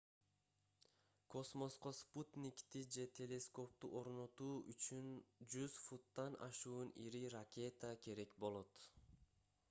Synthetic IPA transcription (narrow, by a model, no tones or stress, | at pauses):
kʰo̞smo̞sqo̞sput̪nʲikt̪id͡ʒe̞t̪ʲʰe̞lʲe̞sko̞p̚t̪ṵʔo̞ɾno̞t̪uːyt͡ʃynd͡ʒyz̥fut̪ːɑnʔɑ̰ʃuːniɾirakʲe̞t̪akʰe̞ɾe̞kbo̞lˠo̞t̪